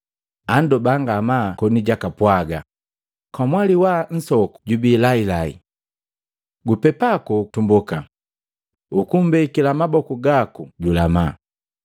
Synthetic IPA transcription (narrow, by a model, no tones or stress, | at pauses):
andɔbaŋɡamakɔniɟakapwaɡa | kwamwaliwan̩sɔku̥ɟubilailaḭ | ɡupɛpakɔtumbuka | ukumbɛikilamabɔkuɡakuɟulama̰